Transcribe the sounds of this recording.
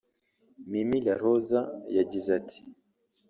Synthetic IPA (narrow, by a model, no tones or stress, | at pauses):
mimilaɾozajaɟizatʰi̥